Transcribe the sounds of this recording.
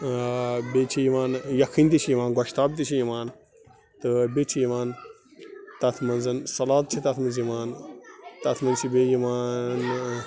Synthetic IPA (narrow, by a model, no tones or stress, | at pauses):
bet͡ʃʰijiʋaːnjɐkʰinʲt̪it͡ʃʰijiʋaːnɡɐʃt̪aːb̚t̪it͡ʃʰijimaːn | t̪ɨbet͡ʃʰijiʋaːn | t̪ɐt̪ʰmɐnzɐnsɐlaːt̪̚t͡ʃʰit̪ɐt̪ʰmɐnzimaːnt̪ɐt̪ʰmɐnt͡ʃʰibeːjimaːn